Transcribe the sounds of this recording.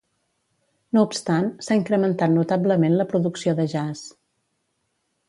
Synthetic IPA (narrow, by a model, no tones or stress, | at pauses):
noupst̪ansaiŋkɾəmənt̪at̪nut̪abləmenləpɾuðuksioðəʒas